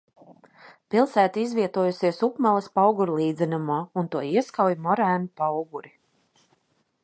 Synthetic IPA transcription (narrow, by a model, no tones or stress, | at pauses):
pilˠsæːt̪iizvʲiɛt̪uɔjusiɛsupmalˠɐspawɡuɾlˠiːd̪zɛnumaːunt̪uɔiɛskawjmɔɾæːnupawɡuɾi